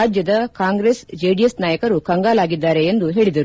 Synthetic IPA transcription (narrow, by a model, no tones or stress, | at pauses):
ad͡ʒjɐd̪ɐkaːŋɡɾesd͡ʒeɖijesnaːjɐkɐɾukɐŋɡaːlaːɡid̪ːaːɾeend̪uɦeːɭid̪ɐɾ